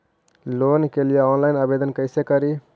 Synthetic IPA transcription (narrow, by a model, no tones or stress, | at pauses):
loːnkelijeɔːnlaɪnəbeːd̪ənkəɪsekəɾi